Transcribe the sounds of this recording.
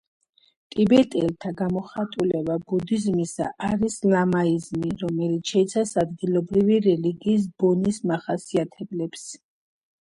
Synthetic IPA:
t̪ʼibɛt̪ʼɛlt̪ʰaɡamɔχat̪ʼulɛbabud̪izmisa̰ʔaɾislamaizmiɾɔmɛlit̪ʰʃɛit̪sʰasad̪ɡilˠɔbɾiviɾɛliɡiːs̬b̥ɔnismaχasiat̪ʰɛblɛps

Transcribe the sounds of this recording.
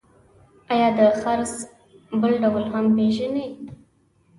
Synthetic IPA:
ajɑd̪əxaɾz | bəlɖawəlɦampeʒane

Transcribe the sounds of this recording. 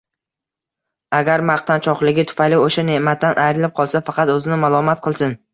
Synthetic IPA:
aɡʲaɾmaq̚t̪ant͡ʃʰɒqlˠɪɡʲɪt̪ʰʊ̥fajlɪoʃane̞ʔmat̪ʰːanʔajɾɪlɪp̚qʰɒlˠsafɑqʰɑt̪ɵzɪnɪmalˠɒmat̪̚qʰɨlˠsɪn

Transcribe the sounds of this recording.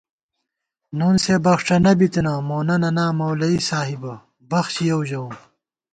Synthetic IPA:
nuːnsebɐxʈ͡ʂɐnɐbit̪ɐnaːmoːnɐnɐnaːmɐwlɐisaːɦibɐ | bɐxɕijɐwʑɐu

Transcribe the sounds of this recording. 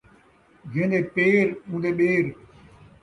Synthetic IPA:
ɡẽːnd̪eːpeːɾũːnd̪eːɓeːɾ

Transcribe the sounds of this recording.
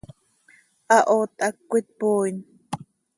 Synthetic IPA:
ʔaʔoːt̪akːʷit̪̚poːin

